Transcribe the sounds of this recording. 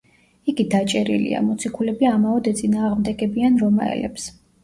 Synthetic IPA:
iɡid̪at͡ʃʼɛɾḭlḭa̰mɔt̪sʰikʰulɛbiamaɔd̪ɛt̪sʼinaːʁmd̪ɛɡɛbianɾɔma̰ɛ̰lɛ̰ps

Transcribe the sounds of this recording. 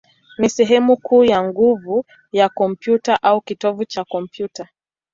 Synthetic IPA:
nisɛɦɛmukʰuːjaŋɡuvu | jakɔm̩pjutaʔaukitɔvut͡ʃakɔm̩pjuta

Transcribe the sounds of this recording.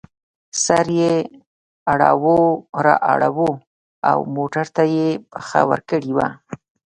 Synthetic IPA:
saɾje | aɽawoɾa̰ʔaɽawo | a̰wmoʈaɾt̪ajepəxa̰wə̰ɾkəɽiwa̰

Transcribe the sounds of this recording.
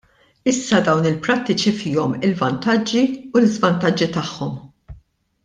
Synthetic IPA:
ɪsːɐd̪ɐwnɪlpɾɐt̪ːɪt͡ʃifɪːɔmɪlvɐnt̪ɐd͡ʒːiulɪzvɐnt̪ɐd͡ʒːit̪ɐħːɔm

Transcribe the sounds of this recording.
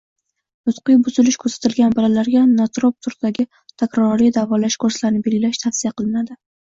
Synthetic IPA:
nʊt̪qɨjbʊzɪlɪʃkʰɵɾsḁt̪ʰɪlɡʲanbalalaɾɡʲanat̪ɾop̚t̪ʰʊɾd̪̥aɡʲɪ | t̪ʰakʲɾɒɾid̪avɒlaʃkʰɵɾslaɾɪnɪbe̞lɡʲɪlaʃt̪ʰafsijaqʰɨlˠɪnad̪ɪ

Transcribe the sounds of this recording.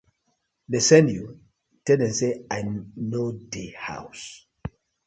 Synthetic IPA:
lesɛ̃ndju | tɛdɛ̃nseajnodeha̰ws

